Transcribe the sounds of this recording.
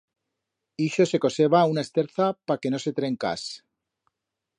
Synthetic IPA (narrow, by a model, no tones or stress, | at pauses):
iʃo̞se̞ko̞se̞βaunaest̪eɾθapake̞no̞set̪ɾe̞ŋka̰s